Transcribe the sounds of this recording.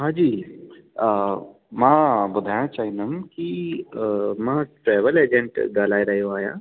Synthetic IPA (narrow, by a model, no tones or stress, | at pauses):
ɦãːd͡ʒiː | mãbɐd̪ʱaːjãt͡ʃaːɦinəmki | mãʈɾɛːʋəleːd͡ʒẽɳʈɡaːlaːeɾɐɦjõaːjã̰ː